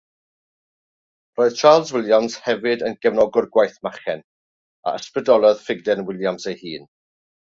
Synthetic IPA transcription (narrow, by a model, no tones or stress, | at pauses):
roːɨð̥t͡ʃʰaːlˠzwɪlˠjamz̥hɛvɨdənɡ̥ɛvnɔɡʊrɡwajθmaχɛn | a̰ʔəsprɨdɔlˠɔðfɪɡ̚dɛnwɪlˠjamsejhiːn